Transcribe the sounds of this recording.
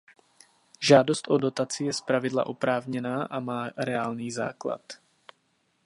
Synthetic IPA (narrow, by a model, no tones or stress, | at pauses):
ʒaːdost̪ʔodo̞t̪at͡sɪjɛspɾavɪdla̰ʔopɾaːvɲɛnaːʔamaːɾɛaːlniːza̰ːkla̰t̪